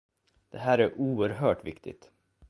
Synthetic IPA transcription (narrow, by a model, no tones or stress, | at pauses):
d̪̥ɛɦæːɾæɾʔuːəɾɦœːʈvɪ̰kt̪ʰɪ̰t̪